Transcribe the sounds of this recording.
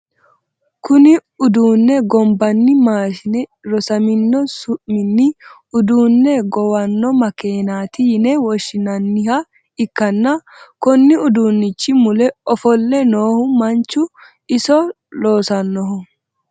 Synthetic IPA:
kʊnɪʊd̪uːnːɛɡɔmbɐnːɪmaːʃɪnɛɾɔsɐmɪnːɔsʊʔmɪnːɪ | ʊd̪uːnːɛɡɔwɐnːɔmɐkeːnaːt̪ɪjɪnɛwɔʃːɪnɐnːɪhɐ | ɪkːɐnːɐkɔnːɪʊd̪uːnːɪt͡ʃːɪmʊlɛɔfɔlːɛnoːhʊmɐnt͡ʃːʊ | ɪsɔ | lo̞ːsɐnːɔɦʊ

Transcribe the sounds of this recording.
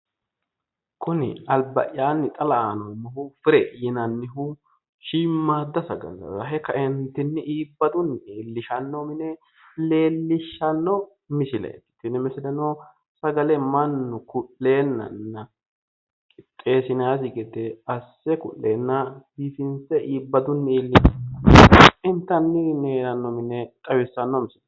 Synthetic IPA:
kʊnɪ̰ɐlbɐ̰ʔɪjaːnːɪt̪ʼɐlɐanomɔɦʊfɪɾɛjɪnɐnːɪɦʊ | ʃiːmːaːd̪ːɐsɐɡɐ̰lːɐ̰zɐɦɛkːɐʔɪnt̪ːɪnːɪʔiːbːɐd̪ʊnːeːlːɪʃɐnːɔmɪnɛ | le̞ːlːɪʃːɐnːɔ | mɪsɪlɐ̰t̪ːɪ̥t̪ːɪnɪmɪsɪlɐno | sɐɡɐlɛmɐnːʊkʊlːe̞ːnːɐ̰nːɐ | kʼɪ̥t̪ʼːe̞ːsɪnaːs̬ɪɡɛd̪ɛɐsːɛkʊ̰ʔːeːnːɐhifɪnsɛʔiːbːɐd̪ʊnːeːlːɪʃɐnːɐɪnt̪ːɐnːɪneːɾɐnːɔmɪnɛt̪ʼɐwɪsːɐnːɔmɪsɪl

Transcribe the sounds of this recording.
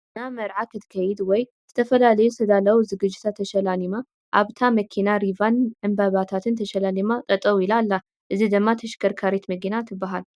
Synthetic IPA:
namɐɾʕakʰɨt̪kʰɐjd̪wɔj | z̥ɨt̪ʰɐfɐlalɐjust̪ʰɐd̪alɐwuzɨɡɨd͡ʒɪt̪ʰat̪ʰːɐʃɐlanima | ʔaβt̪ʰamɐkʰinaɾivanʕɨmbaβat̪ʰat̪ʰɨnt̪ʰɐʃɐlalimat̪ʼɐt̪ʼɐwuɪlalːa | ʔɨzid̪ɨmːat̪ʰɐʃkʰɐɾkʰaɾet̪mɐɡinat̪ʰɨbːaɦal

